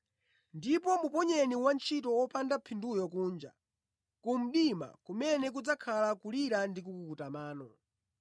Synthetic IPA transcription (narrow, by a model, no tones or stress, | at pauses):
ndipɔmupɔɲɛniwant͡ʃʰitɔwɔpʰandapʰindujɔk̬uːnd͡ʒa̰ | kum̩ɗima̰kumɛnɛk̬ud͡zakʰalakuliɾandikukukutamaːnɔ